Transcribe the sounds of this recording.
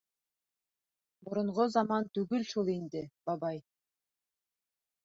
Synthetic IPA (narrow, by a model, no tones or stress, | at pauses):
bʊɾʊ̆ɴʁozɑmɑnt̪ʉɡʏlʃulˠind̪ɪb̥ɑbɑj